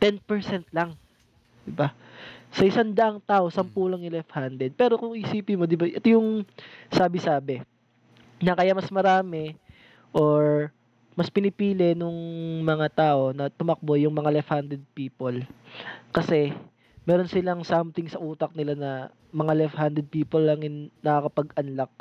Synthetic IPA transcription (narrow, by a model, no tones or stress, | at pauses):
t̪ɛnpɛɹsɛnt̪̚laŋ | d̪ɪba | sɐʔɪsand̪ɐʔaŋt̪aːʔo̞sɐmpulɐŋjʊlɛfhand̪ɛd̪̚pɛːɾokʊŋʔɪsiːpɪmo̞d̪ɪbaʔɛt̪ojʊŋsaːbɪsaːbɛ | nɐkɐjamɐsmɐɾaːmɛ | ʔo̞ɹ | mɐspɪnɪpiːlɛnʊŋmɐŋat̪aːʔo̞nɐt̪ʊmɐk̚bojʊŋmɐŋalɛfhand̪ɛd̪̚piːpol | kɐsɛ | mɛːɾo̞nsɪlɐŋsamt̪ɪŋsɐʔuːt̪ɐk̚nɪlanɐ | mɐŋalɛfhand̪ɾɛd̪̚piːpolːɐŋɪnːɐkɐkɐpɐɡɐnlak̚